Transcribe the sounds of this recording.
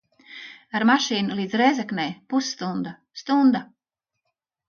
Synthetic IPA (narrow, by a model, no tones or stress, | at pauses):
aɾmaʃiːnulˠiːd̪zɾɛjzaknɛjpusːt̪und̪a | st̪und̪a